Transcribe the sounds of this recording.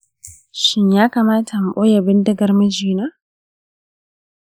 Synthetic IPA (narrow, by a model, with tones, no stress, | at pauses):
ʃɪ˦ɲjaː˦kaː˨maː˦tʰa˨m˨ɓo˦ja˨bɪ˦ndɪ˦ɡɐ˦rmɐ˦d͡ʒiː˨naː˦